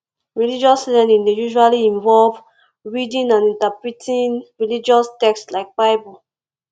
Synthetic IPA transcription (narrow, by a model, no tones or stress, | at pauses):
ɹilid͡ʒɔslɛ̃nĩndejuʒualiĩɱvɔlv | ɹidĩnãnĩntapɹitʰĩnɹilid͡ʒɔstɛkstlaɪk̚baɪbɔ